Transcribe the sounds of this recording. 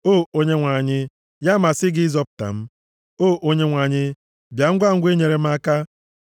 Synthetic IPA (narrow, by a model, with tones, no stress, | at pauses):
o˦˨o˦ɲe˦ŋʷa˨ɲɪ˦ | ja˦ma˨sɪ˦ɡɪ˦zɔ˦p̚ta̰˨m̩˦ | o˦˨ʔo˦ɲe˦ŋʷa˨ɲɪ˦ | bja˨ŋ̩˦ɡʷa˦ŋ̩˦ɡʷe˦ɲe˨ɾe˨m̩˦a˦ka˦